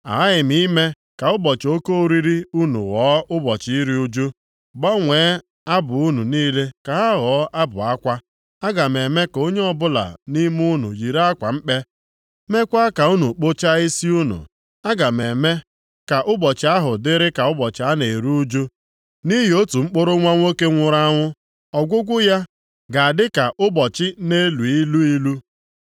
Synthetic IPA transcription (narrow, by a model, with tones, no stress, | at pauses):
a̰˨a˦ɪ˨m˦i˦me˦ | ka˨ʊ˦bɔ˨t͡ʃɪ˨o˦ko˦ɾi˦ɾi˦u˦nṵ˨ɣɔː˨˦ʊ˦bɔ˨t͡ʃɪ˦ɾi˦u˦d͡ʒu˦ | bɔ˦ŋʷe˨˦ | a˦bʊ˨u˦nu˨niː˦le˦ka˨ɦa˦ɣɔ˨˦ʔa˦bʊ̰˨a˦kʷa˦ | a˦ɡa˨me˨me˦ko˦ɲe˦ɔ˦bʊ˦la̰˨ni˦mu˦nṵ˨ji˨ɾa˦kʷa˨m̩˦k͡pe˦ | me˦kʷa˦ka˨u˦nu˨k͡po˦t͡ʃa˦i˦si˦u˦nṵ˨ | a˦ɡa˨me˨me˦ | ka˨ʔʊ˦bɔ˨t͡ʃɪ˨˦a˦ɦʊ˨dɪ˦ɾɪ˦ka˨ʊ˦bɔ˨t͡ʃɪ˨˦a˦ne˨ɾu˦d͡ʒo˦ | ni˦ɦi˨o˦tu˨ŋ͡m̩˦k͡po˦ɾʊ˦ŋʷa˦ŋʷo˦ke˦ŋʷʊ˦ɾa˦ŋʷʊ˦ | ɔ˨ɡʷʊ˦ɡʷʊ˦ja˦ | ɡa˨a˨dɪ˦ka˨ʔʊ˦bɔ˨t͡ʃɪ˦ne˦lu˨i˦lu˦i˦lu˦